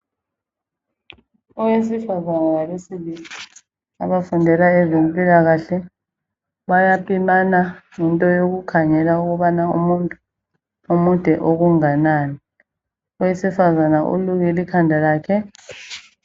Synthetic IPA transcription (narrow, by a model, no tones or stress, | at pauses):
ɔwesifazanalaβesiβili | aβafundʱɛlaɛzempʼilaɣaɬɛ | βajapʰʼimanaŋɛntʼɔjoɣukʰaɲɛlauɣuβanaumutʼu | umud̥ʱɛʔoɣuŋanaːni | ɔwesifazanaʔṵluɣilikʰandʱalaːkʰɛ